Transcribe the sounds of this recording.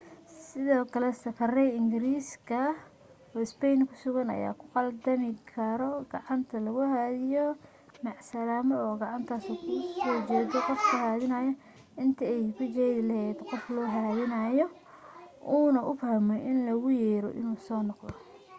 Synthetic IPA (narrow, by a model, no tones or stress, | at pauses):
sɪðɔːkʰɐlɛsɐfʰɐrɛjɪŋɡɪɾiːskʰɐ | ɔːɪspɛjnkʰʊ̥sʊɣɐnɐ̰ja̰ːkʰʊ̥qɑld̪ɐmɪkʰɐɾɔɡ̥ɑʕɑnt̪ʰɐlɐɣʊhaːðɪjɔ | mɑʕsɐlaːmɐɔːɡɑʕɑnt̪ʰaːsuːkʰʊsɔːt͡ʃɛːðɔqɔfkʰʊhaːðɪnɐjɐ | ɪnt̪ʰɐɛjkʰʊt͡ʃɛːðɪlɛhɛːd̪qɔflɔːɦɐaːðɪnɐjɔ | ʔuːnɐʔʊfhɐmɔʔɪnlɐɣʊjɛːɾɔ̰ʔɪ̰nuːsɔːnɔqd̪ɔ̰